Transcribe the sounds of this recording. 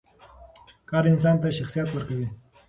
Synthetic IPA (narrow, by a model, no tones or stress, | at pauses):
kɑɾɪns̬ɑnt̪aʃaxsijat̪wəɾkawi